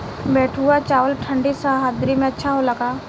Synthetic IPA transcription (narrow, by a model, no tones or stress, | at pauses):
bɛːʈʰuːat͡ʃaːʋəlʈʰəɳɖisaːɦaːd̪ɾimẽɐtːʃʰaɦolɐɡaː